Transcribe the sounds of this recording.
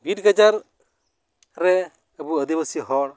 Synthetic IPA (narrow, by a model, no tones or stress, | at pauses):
biʈɡad͡ʒaɾ | ɾɛ | əbuəd̪ibəsiɦɔɽ